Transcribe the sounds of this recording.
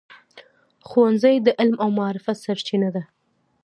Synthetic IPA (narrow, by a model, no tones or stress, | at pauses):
xuwanzəjd̪əʔɪlmawmɑɾɪfat̪saɾt͡ʃinad̪a